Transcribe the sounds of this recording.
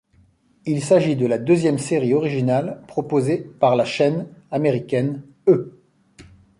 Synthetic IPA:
ilsaʒid̪əlad̪øzjɛmseʁiɔʁiʒinalpχɔpozepaʁlaʃɛnameʁikʲɛn | ø

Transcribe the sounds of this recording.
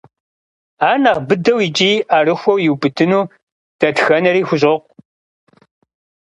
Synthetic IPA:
aːnɐʁbɨdɐwɪd͡ʒʼiːaːrɨxʷɐwjɪwbɨdʰɨnuː | d̥ɐtxɐnɐɾiːxʷʊɕoqʷ

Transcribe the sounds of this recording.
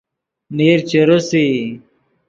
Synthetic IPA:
neːɾt͡ɕeɾosi

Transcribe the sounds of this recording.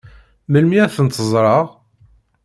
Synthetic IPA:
məlmiæθənt̪ːəzˤɾˤɑʁ

